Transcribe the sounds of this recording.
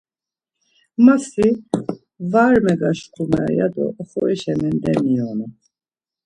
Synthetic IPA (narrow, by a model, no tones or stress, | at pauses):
masi | vaːɾmɛɡaʃkʰumɛ̰ja̰d̪ɔ̰χɔɛʃɛmɛnd̪ɛmijɔnɛ